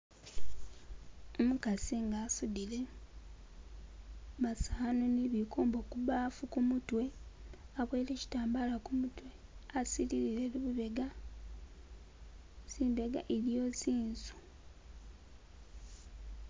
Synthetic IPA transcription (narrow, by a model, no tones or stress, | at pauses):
omukasiŋɡaːsudile̞ | βasaːnoniβikoːmbo̞kuβaːfukumutwe̞ | aβweːleci̥taːmbalakumutwe̞asiliɾiɾe̞luβuβe̞ɡa | siːmbe̞ɡa̰ʔeɾjo̞siːnzu̥